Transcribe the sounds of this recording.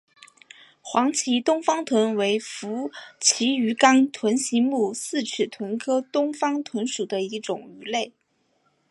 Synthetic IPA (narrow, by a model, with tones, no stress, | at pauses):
xwɑ˧˥ŋt͡ɕʰi˧˥t̪ʊ˥ŋfɑ˥ŋt̪ʰwə˧˥nwe˧˥ɪfu˧˥t͡ɕʰi˧˥y˧˥kɑ˥ŋt̪ʰwə˧˥nɕi˧˥mu˥˩sɹ̩˥˩t͡ɕʰy˨˩t̪ʰwə˧˥nkʰɤ˥t̪ʊ˥ŋfɑ˥ŋt̪ʰwə˧˥nʂu˨˩d̪ə˦i˧˥ʈ͡ʂʊ˨˩ŋy˧˥le˥˩ɪ